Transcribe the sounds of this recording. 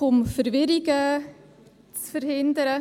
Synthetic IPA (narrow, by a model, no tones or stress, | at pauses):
ʊmfəɾvɪɾiɡə | t͡sfərhɪndəɾə